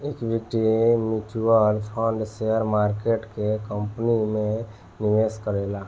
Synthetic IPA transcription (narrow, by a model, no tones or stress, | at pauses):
ekbʱik̚ʈimit͡ʃuəlpʰə̃ɳɖseəɾmaɾkeʈkekəmpnime | niʋeskəɾela